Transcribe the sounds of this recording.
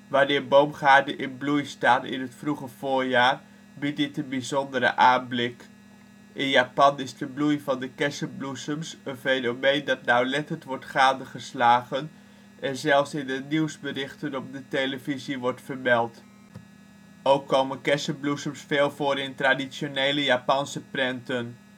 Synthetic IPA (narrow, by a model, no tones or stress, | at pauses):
ʋaːnɪːɹbowmχaːɹdəʔɪnblujstaːtɪ̰nɦətfruχəv̥ʊːɹjaːr | bit̚dɪtənbizɔndəɾə̰ʔaːnblɪk | ʔɪnjapɑnɪzdəblujvɑndəkɛsəblusəmsənfejnomejndɑtnawlɛtəntʋɔɹtχaːdəχəslaːɣən | ʔɛnzɛlˠfsɪnəniwsbərɪχtənɔp̚dəteləviziʋɔɹtfərbɛlˠt | owkʰːowmənkɛsəblusəmsfeːlˠvoːɾɪntradisjoneːləjapɑnsəprɛntən